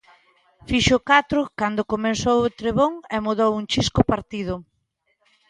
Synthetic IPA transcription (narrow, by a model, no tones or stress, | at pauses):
fiʃʊkat̪ɾʊkand̪okomensowot̪ɾeβoŋemoðowuŋt͡ʃiskʊpaɾt̪ið̞ʊ